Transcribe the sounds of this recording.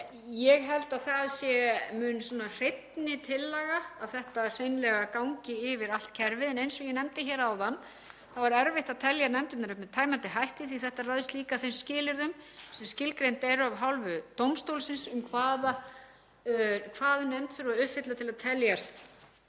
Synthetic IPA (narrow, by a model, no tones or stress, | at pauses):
jɛɣɦɛlt̪aðθaðsjɛmʏnsɔnar̥ejt̪nɪt̪ʰɪlːaɣaːðθɛht̪ar̥ejnlɛɣakawŋcɪɪvɪɾal̥t̪̚cʰɛɾvɪðɛnejnsɔjɛnɛmt̪ɪçɛːɾawðanː | θavaɾɛɾvɪht̪aðt̪ʰɛljaɾnɛmt̪ɪt̪naɾʏhpmɛt̪ʰaːjmant̪ɪɦajht̪ɪθiθɛht̪arajðɪst̪liːkaθejnscɪːlɪɾðʏmsɛmscɪlkɾejnt̪ɛɾʏavɦawlvʏt̪owmst̪owlsɪnsʏmkʰvaːða | kʰvaːðnejmt̪fʏɾʏvaʏhfɪt̪lat̪ʰɪlaðt̪ʰɛljast̪